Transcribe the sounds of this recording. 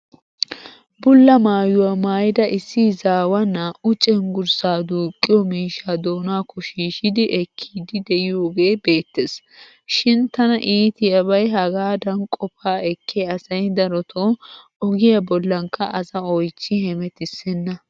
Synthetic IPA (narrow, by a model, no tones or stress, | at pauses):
bʊlːɐmaːjʊwɐmaːjɪd̪ɐʔɪsːizaːwɐnːɐʊt͡ʃʼɛnɡʊɾsaːd̪uːkʼːɪjɔmiːʃaːd̪o̞ːnaːkʰɔʃiːʃɪd̪ɪʔɛkʰːiːd̪ɪd̪ɛɪjoːɡe̞ːbe̞ːt̪ːes | ʃɪnt̪ɐnɐʔiːt̪ɪjɐbɐjɦɐɡaːd̪ɐnkʼɔfaːɛkʰːeːɐsɐjd̪ɐɾɔt̪ʰo | ɔɡɪjɐbɔlːɐŋkːɐʔɐzɐɔjt͡ʃːɪhɛmɛt̪ɪsɛnːɐ